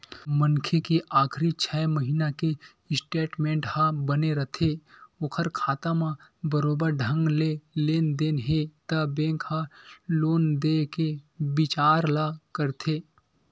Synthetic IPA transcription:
mənkʰekiʔaːkʰɾit͡ʃʰɛːməɦiːnake | ɪsʈeːʈmẽːɳʈhãbəneɾət̪ʰeokʰəɾkʰaːt̪amãbəɾoːbəɾɖʱə̃ŋɡleleːnd̪eːnɦet̪əbẽːŋkhaloːnd̪ekebɪt͡ʃaːɾlakəɾt̪ʰe

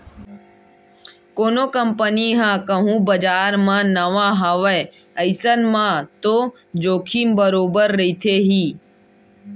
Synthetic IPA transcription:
koːnoːkəmpəniɦãːkəɦũːbəd͡ʒaːɾmãnəʋãɦəʋə | əɪsənmãt̪oː | d͡ʒoːkʰimbəɾoːbəɾːəit̪ʰeɦiː

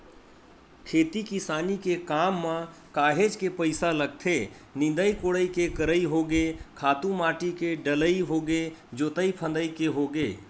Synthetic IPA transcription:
kʰeːt̪ikɪsaːnikekaːmːã | kaːɦed͡ʒkepəɪsaləɡ̚t̪ʰe | nɪ̃nd̪əikoɽəikekəɾəiɦoɡekʰaːt̪ũmaːʈikeɖələiɦoɡed͡ʒoːt̪əipʰə̃nd̪əikeɦoɡeː

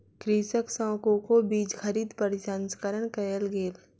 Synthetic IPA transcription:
kɾiːsəksɔ̃ːkõkobiːd͡ʒxʰəɾiːd̪pəɾɪsanskəɾəɳkəjəlɡeːl

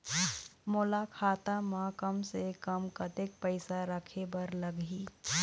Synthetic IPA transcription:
moːlakʰaːt̪amãkəmsekəmkət̪ek̚pəɪsaɾəkʰebəɾləɡiː

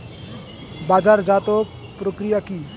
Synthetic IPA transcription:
bad͡ʒaɾd͡ʒat̪o | pɾokɾijaki

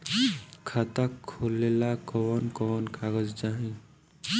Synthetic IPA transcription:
kʰat̪akʰːolelakɔwɔnkɔwɔnkaɡəd͡ʒd͡ʒaɦĩ

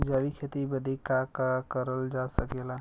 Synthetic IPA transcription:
d͡ʒaːʋikʰet̪ibəd̪ʱikakakəɾəld͡ʒasəkela

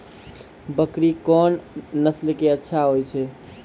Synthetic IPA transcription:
bəkɾikɔnːəslkeətːʃʰaɦojt͡ʃʰɛ

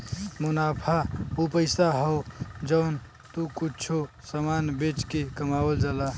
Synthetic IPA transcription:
munapʰaupəɪsaɦɔʊd͡ʒəʊn | t̪ukut͡ʃʰo | səmanbet͡ʃkekəmabəld͡ʒala

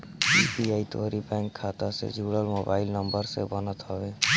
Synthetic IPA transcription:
ipiaːit̪oːɾibɛ̃ːŋkʰːaːt̪asḛd͡ʒuːɽəlmoːbaːɪlnəmbəɾsebənət̪ɦɔʋeː

